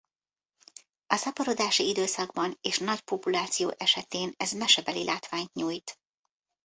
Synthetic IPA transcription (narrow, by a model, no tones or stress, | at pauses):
ɒsɒpɒɾo̞d̪aːʃiid̪øːsɒɡbɒneːʃnɒcpopulaːt̪sijoːʔɛʃɛt̪eːnɛzmɛʃɛbɛlilʔaːt̪ʋaːɲt̪ɲuːjt̪